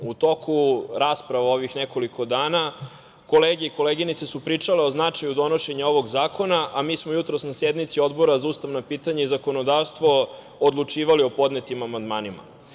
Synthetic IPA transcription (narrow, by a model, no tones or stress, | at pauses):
ut̪o̞kʰuɾaːspɾaʋao̞ʋixneko̞likʰo̞d̪aːna | ko̞leːɡe̞iko̞leːɡinit̪sesupɾiːt͡ʂaleo̞znat͡ʃajud̪o̞no̞ʃe̞ɲao̞ʋo̞ɡzaːkʰo̞naʔamiːsmo̞jut̪ɾosnasjed̪mit̪sio̞d̪bo̞ɾazauːst̪aʋnapiːt̪aɲaizako̞no̞d̪aːʋst̪ʋo̞ | od̪lˠut͡ʂiːʋalio̞po̞d̪net̪imamand̪maːnima̰